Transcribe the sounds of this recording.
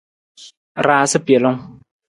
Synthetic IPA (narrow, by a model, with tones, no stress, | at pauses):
ɾaː˨sɪ˦pi˨ɛ˨lʊ˦ŋ